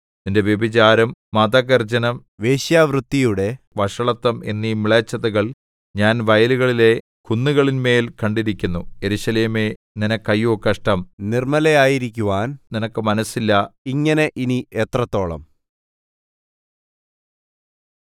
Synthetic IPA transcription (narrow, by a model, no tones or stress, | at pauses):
ninde̞ʋjebit͡ɕaːɾɐmmɐd̪ɐɣɐrd͡ʑɐnɐm | ʋe̞ːɕjaːʋrut̪ːijuɽe̞ | ʋɐʂɐɭɐt̪ːɐme̞nːimiɭɐt͡ɕːɐðɐɣɐɭ | ɲaːnʋɐjɐluɣɐɭile̞ | kunːuɣɐɭinme̞ːlkɐɳɖiɾikʲːunːuje̞ɾuɕɐleːme̞ | ninɐkːɐjːoːkːɐʂʈɐmnirmɐlɐjaːjiɾikʲːuʋaːnninɐkːɨmɐnɐsːilːɐiŋːɐne̞ʔiniet̪rɐt̪ːo̞ːɭɐ̰m